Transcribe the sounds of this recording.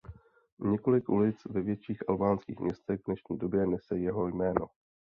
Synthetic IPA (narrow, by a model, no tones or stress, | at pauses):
ɲɛko̞lɪkʔulɪt͡svɛvjɛt͡ʃiːxʔalbaːnskḭːxmɲɛst̪ɛɣvnɛʃɲiːdo̞bjɛnɛsɛjɛɦo̞jmɛːno̞